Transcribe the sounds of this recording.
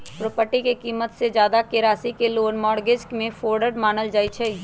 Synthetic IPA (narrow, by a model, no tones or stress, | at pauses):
pɾoːpəɾʈikekiːmət̪sed͡ʒjaːd̪akeɾaːsikeloːnmɔːɽɡed͡ʒkmẽfʰoːɾɖəɖmaːnəld͡ʒaːit͡ʃʰɛ